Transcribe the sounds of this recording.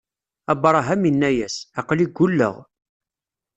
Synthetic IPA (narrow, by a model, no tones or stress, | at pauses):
æbɾˤɑɦæminːæjæsɑqliɡʷːʊlːə̰ʁ